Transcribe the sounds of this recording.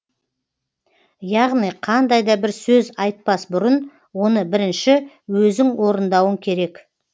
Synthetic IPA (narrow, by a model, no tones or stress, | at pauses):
jɑʁnijqʰɑnd̪ɑjd̪ɑbɪɾsɵzɑjt̪̚pɑsbʊɾən | wo̞nəbɪɾɪnʃɪ | wɵzd̪ɪŋwo̞ɾənd̪ɑwəŋkʲʰe̞ɾe̞k